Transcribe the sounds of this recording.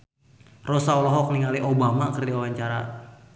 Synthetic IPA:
rosaɔlɔɦɔk̚niŋaliʔobamakərdiwawaɲt͡ʃaɾa

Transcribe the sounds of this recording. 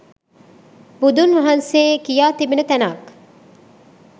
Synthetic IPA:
bud̪unʋɐɦɐnseːkijaːt̪ibinɐt̪ænaːk

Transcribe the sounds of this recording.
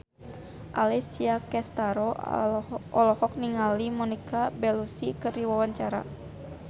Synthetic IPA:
ʔa̰lɛsiakɛst̪aɾɔ | ɔlɔhɔk̚niŋalimɔnikʰabɛlusikɨrdiwawaɲt͡ʃaɾa̰

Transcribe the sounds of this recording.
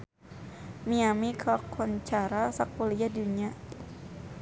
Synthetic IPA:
miamikʰɔkʰɔnt͡ʃaɾasak̚ulijaduɲa

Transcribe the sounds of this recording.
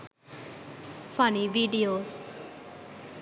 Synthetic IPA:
fəniʋiːɖijoːs

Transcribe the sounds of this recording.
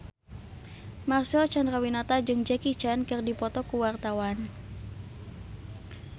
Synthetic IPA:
marsɛɔt͡ʃandɾawinat̪ad͡ʒɨŋd͡ʒɛkit͡ʃankɨrdipɔt̪ɔkuwart̪awan

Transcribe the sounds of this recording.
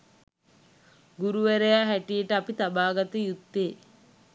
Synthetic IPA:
ɡuɾuʋæɾejaːɦæʈijeʈəapit̪abaːɡat̪əjut̪ːeː

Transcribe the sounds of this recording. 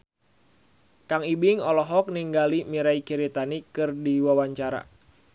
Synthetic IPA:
kaŋibiŋɔlɔɦɔk̚niŋɡalimiɾaikiɾit̪anikɨrdiwawaɲt͡ʃaɾa̰

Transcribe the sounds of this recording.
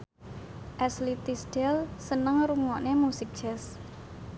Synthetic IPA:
ʔɛslit̪isɖ̥ɛlsənəŋɾuŋɔʔnemusɪk̚d̥ʒ̥ɛs

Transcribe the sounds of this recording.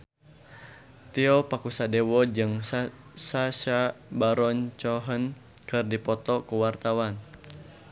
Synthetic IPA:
t̪iɔpakusadɛwɔd͡ʒɨŋsaʃabaɾɔɲt͡ʃɔɦən | kɨrdipɔt̪ɔkuwart̪awan

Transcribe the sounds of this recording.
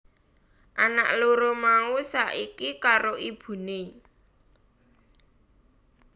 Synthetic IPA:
ʔana̰ʔloɾomausaʔikikaɾoʔib̥ṳne

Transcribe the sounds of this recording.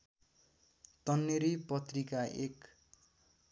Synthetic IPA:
t̪ʌnːeɾipʌt̪rikaʔek

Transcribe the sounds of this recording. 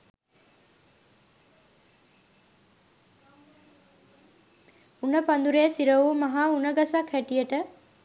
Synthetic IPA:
unəpand̪uɾejəsiɾəʋuːmɐɦaːunəɡasakʰhæʈijəʈə

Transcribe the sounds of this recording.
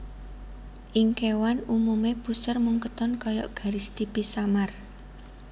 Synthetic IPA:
ʔiŋkewanumumeb̥usərmuŋkət̪ɔnkɔjɔ̰ʔɡ̥a̤ɾɪst̪ibisamar

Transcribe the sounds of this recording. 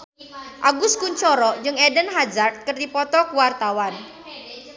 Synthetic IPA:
ʔaɡʊskuɲt͡ʃɔɾɔd͡ʒɨŋɛdənɦad͡ʒart̪̚kərdipɔt̪ɔkəwart̪awan

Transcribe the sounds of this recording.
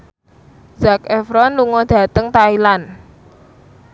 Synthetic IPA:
z̥akɛfɾɔnluŋɔd̪̥ä̤t̪əŋt̪ailan

